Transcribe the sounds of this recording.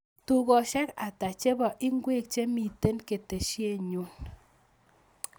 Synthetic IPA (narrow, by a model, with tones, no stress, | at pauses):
tu˦kɔ˨ʃɛ˦ka˨ta˨t͡ʃe˦bɔ˨ʔi˦ŋɡwe˦k̚t͡ʃe˦mi˨te˦nke˨te˨ʃje˦ɲo˦n